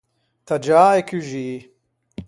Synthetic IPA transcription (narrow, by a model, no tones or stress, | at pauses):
t̪ʰɐd͡ʒaːekyʒi